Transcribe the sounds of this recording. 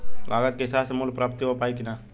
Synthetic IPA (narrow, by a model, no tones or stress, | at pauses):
lʔa̰ːɡət̪̚keɦɪsaːsemulpɾap̚t̪iɦopaːikinaː